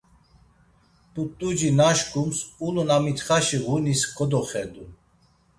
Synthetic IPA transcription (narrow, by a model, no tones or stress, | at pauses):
pʼut̪ʼud͡ʒinaʃkʼumsulɔnamit̪χaʃiʁuniskʰʼɔd̪ɔχɛd̪u